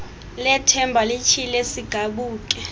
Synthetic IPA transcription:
lɛtʰɛmbʱalit͡ʃʰilesiɡ̥ʱaɓuːk̬ʼɛ

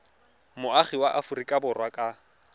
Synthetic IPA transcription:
mʊaχiwaʔafʊrikʼabʊrwakʼa

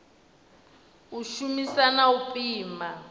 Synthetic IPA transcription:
uʃumisanaupʼiːma

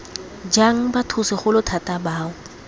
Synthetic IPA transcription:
d͡ʒaŋ̩batʰʊsɪχʊlʊtʰatʼabaːʊ

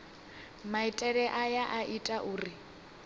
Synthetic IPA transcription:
maitʼɛɺɛʔajaʔaʔitʼaʔuːri

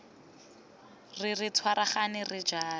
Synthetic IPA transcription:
riritʰwaɾaχanɪrid͡ʒaː

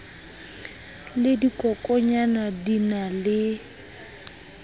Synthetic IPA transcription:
lɪdikʼɔkʼɔɲanadinalɪ

